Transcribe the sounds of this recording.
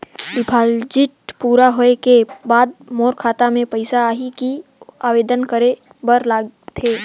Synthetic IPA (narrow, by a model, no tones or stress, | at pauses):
bɪpʰaːld͡ʒɪʈpuːɾaɦoekebaːd̪̚moːɾkʰaːt̪amẽpɐɪsaaːɦikiaːʋeːd̪ənkəɾe | bəɾlaːɡt̪ʰeː